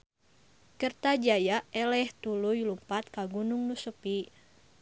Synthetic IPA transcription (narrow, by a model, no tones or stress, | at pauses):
kərt̪ad͡ʒajaɛlɛht̪ulujlumpat̪̚kaɡunuŋnusəpi